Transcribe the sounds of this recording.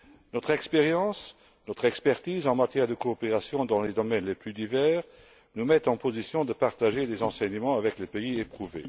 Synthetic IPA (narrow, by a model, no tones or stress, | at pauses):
nɔt̪χɛkspeʁjɑ̃s | nɔt̪χɛkspɛʁt̪iːzɑ̃mat̪jɛːʁd̪əkoːpeʁasjɔ̃d̪ɑ̃led̪ɔmɛnleplyd̪ivɛːʁ | numɛt̪ɑ̃pozisjɔ̃d̪əpaʁt̪aʒelezɑ̃sɛɲəmɑ̃avɛklepeiepχuvḛ